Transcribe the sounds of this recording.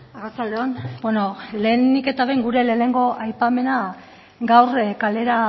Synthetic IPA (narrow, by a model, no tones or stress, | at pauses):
aɣast͡sald̪eonbweno̞le̞ːnike̞t̪aβejŋɡuɾe̞le̞ːne̞ŋɡo̞ʔajpame̞na | ɡawrkale̞ɾa